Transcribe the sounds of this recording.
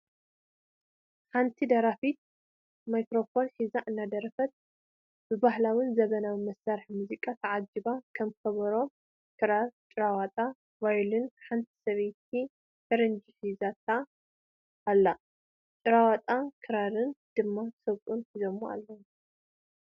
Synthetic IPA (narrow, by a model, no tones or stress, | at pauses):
ħant̪ʰid̪ɐɾafit̪̚ | majkɾo̞fo̞nħizaʔɨnːad̪ɐɾɐfɐt̪̚ | b̥ɨbahlawɨnzɐβɐnawmɐsaɾħmuzikʼat̪ʰɐʕad͡ʒibakʰɐmkʰɐβɐɾo̞ | kʰɨɾaɾt͡ʃʼɨɾawat̪ʼa | vajlɨnħant̪ʰi̥sɐβejt̪̚ʰi | t̪ʰɐɾɨnd͡ʒiħizat̪ʰa | ʔːlːa | t͡ʃʼɨɾawat̪ʼakʰɨɾaɾɨnd̪̥ɨmːat̪ʰɨ̥sɐβkʼunħizomːua̰lːɐw